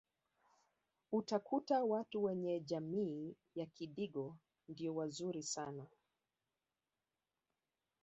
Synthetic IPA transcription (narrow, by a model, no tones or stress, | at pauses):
utakutawatuwɛɲɛʄamiː | jakiɗiɡɔ | ndiɔwazuɾisana